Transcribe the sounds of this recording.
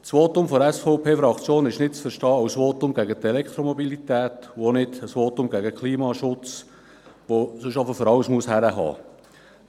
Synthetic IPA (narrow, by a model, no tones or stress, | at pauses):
t͡sʋoːtʊmfɔɛsfɔʊpʰeːfɾɑkt͡sjoːnɪʃnɪtt͡sfəɾʃtɑːɑwsʋoːtʊmɡæɡətɛlɛkt̪ɾomobilitæːtuonɪdəsʋoːtʊmɡæɡəkʰliːmɑʃʊt͡s | ʋosɵʃɑfəfɔɾɑwsmuəshæɾəɦɑ̰ː